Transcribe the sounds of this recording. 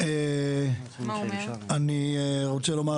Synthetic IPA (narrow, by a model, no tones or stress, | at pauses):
e | aniʁot͡selo̞ma